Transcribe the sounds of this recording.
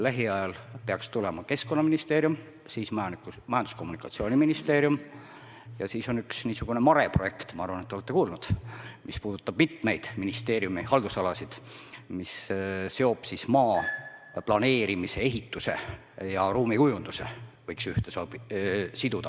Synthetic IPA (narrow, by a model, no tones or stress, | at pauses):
læɦiɑjɑlpeɑkst̪ulɛmɑke̞sko̞nːɑminist̪e̞ːɾjum | siːsmɑmɑjɑnd̪u̥sko̞mːunikːˑɑ̥t̪sio̞ːnʲiminist̪e̞ːɾjum | jɑsiːso̞nyksniːsuɡ̥une̞mɑɾe̞proje̞kt̪mɑɑɾrvɑnet̪ːoet̪ːe̞kuːlnud̪̥mʔispuːd̪ut̪ːˑɑb̥mit̪me̞jd̪̥minist̪e̞ːɾjumihɑld̪usɑlɑsid̪̥misse̞o̞b̥sismɑːplɑne̞ːɾimise̞e̞ɦit̪ːˑuse̞̰ | jɑɾuːmikujund̪̥use̞̰vɤjksyht̪esɑːb̥isid̪̥ud̪̥ɑ